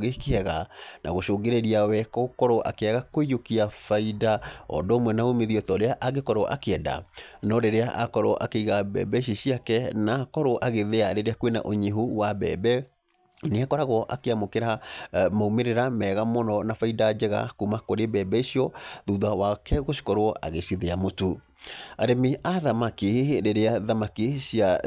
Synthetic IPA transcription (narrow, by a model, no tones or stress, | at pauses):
ɣekeɛɣanʔa̰ɣoʃoːɡeɾeɾiawɛkɔkɔɾɔʔa̰keɛɣakoijokiafaidaɔ̰dɔːmwɛnaomeðiɔtɔɾeaʔaɡekɔɾɔʔa̰keɛda̰nɔɾeɾeaʔakɔɾoʔa̰keiɣabɛ̰ːbɛiʃ̬iɕiakɛnakɔɾoʔaɣeðeaɾeɾeakwena̰ʔoɲeɦuwabɛ̰bɛ | neakɔɾaɣɔʔakeamokeɾamaumeɾeɾamɛːɣamɔnɔnafaidad͡ʒɛɣa̰kumakoɾebɛːbɛisiɔðuðawakɛɣoɕi̥kɔɾowɔʔa̰ɣeɕiðeamotu | aɾemiaðamakiɾeɾeaðamakiɕia